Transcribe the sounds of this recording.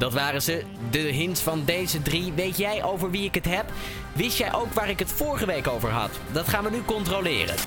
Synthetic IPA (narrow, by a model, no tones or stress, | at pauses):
d̥ɑtʋaːrəzə | dəɦɪnsfɑndejzədriʋejtjɛjʔowvəɹʋiɪkɦətɦɛp | ʋɪstjɛjʔowkʋaːɹɪkɦətfʊːɹχəʋejkowvə̰ɹɦɑ̰t | dɑtχaːnʋənykɔntrolɪ̰ːrə̰n